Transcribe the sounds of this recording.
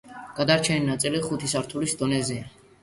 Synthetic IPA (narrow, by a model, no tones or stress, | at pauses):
ɡ̥ad̪aɾt͡ʃʰɛninat̪sʼiliχut̪ʰisaɾt̪ʰulisd̪ɔnɛzia